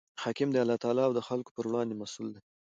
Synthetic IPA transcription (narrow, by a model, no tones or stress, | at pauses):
hɑkɪmd̪ealɑt̪ɑlɑːwd̪əxalko̥pəɾwɽɑnd̪emasuld̪e